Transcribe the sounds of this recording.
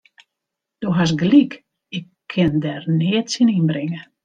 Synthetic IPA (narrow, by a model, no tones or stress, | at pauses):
d̥oɦas̬ɡlik | ɪkʰːɪndɛrneətsininbrɪŋə